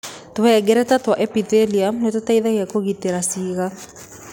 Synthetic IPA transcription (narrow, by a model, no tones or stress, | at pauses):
towɛɡɛɾɛtatwaʔɛpiteliamnetataiðaɣeakoɣiteɾasiɣa